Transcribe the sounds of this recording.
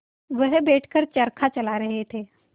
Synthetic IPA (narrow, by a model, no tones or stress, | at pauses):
ʋəɦbeːʈʰkəɾt͡ʃɐɾkʰat͡ʃɐlaɾɐɦet̪ʰeː